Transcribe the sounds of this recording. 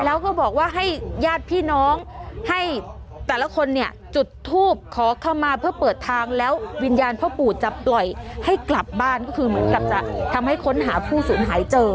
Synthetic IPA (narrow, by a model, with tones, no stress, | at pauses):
lɛː˦˥wkɔː˥˩bɔː˨˩k̚waː˥˩ɦa˥˩jjaː˥˩t̪̚pʰiː˥˩nɔː˦˥ŋha˥˩j | t̪ɛː˨˩la˧˥kʰo˧nːi˧˥˩ɐ | t͡ɕu˨˩t̪ʰːuː˥˩p̚kʰɔː˨˩˦kʰa˧˥˩wmaː˧pʰɯ˥˩ɐpɤː˨˩t̪ʰːaː˧ŋlɛː˦˥wwi˧njaː˧npʰɔː˧˥˩puː˨˩t̪̚t͡ɕa˨˩plɔ˨˩jha˥˩jkla˨˩p̚baː˥˩nkɔː˥˩kʰɯː˧mɯ˩˦ənka˨˩p̚t͡ɕa˨˩t̪ʰa˧mha˥˩jkʰo˧˦˥nɦaː˩˦pʰuː˥˩suː˩˦nɦaː˩˦jt͡ɕɤː˧